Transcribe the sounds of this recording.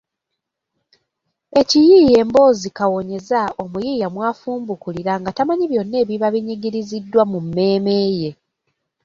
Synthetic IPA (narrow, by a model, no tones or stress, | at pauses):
e̞cijije̞ːmbo̞ːzikawo̞ɲe̞zao̞mujijamwaːfuːmbukuliɾaŋɡatamaɲiβjo̞nːe̞ːβiβaβiɲiɡiɾizidːwamumːe̞ːme̞ːje̞